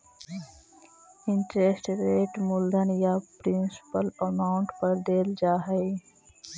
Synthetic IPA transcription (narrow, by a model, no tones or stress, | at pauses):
ɪ̃ɳʈɾesʈɾeːʈmʊld̪ʱənjapɾɪnsɪ̥pələmaːʊ̃ɳʈpəɾd̪eːld͡ʒaːɦəj